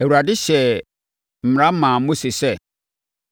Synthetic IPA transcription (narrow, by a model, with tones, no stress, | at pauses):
æ˨wu˨ɾa˨dɪ˦ɕɛ˨ | m̩˨m̃˨ɾã˦mã˨˦mo˦se˨sɛ˦